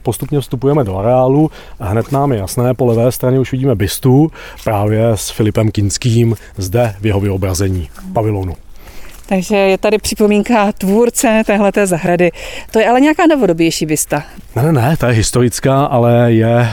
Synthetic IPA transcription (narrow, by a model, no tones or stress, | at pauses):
post̪upɲɛfst̪upujɛmɛdoʔaɾɛaːlu | ɦnɛt̪naːmjɛjasnɛːpolɛvɛːst̪ɾaɲɛuʃvɪɟiːmɛbɪst̪u | pɾaːvjɛsfɪlɪpɛmkɪnskiːm | zdɛvjɛɦo̞vɪo̞bɾazɛɲiːpavɪloːnu | t̪aɡʒɛjɛt̪adɪpr̥ɪpo̞miːŋkat̪vuːɾt͡sɛt̪ɛːɦlɛt̪ɛːzaɦɾadɪt̪ojɛʔalɛɲɛakaːnovo̞dobjɛjʃiːbɪst̪anɛnɛnɛt̪ajɛɦɪst̪o̞ɾɪt͡skaːʔalɛjɛ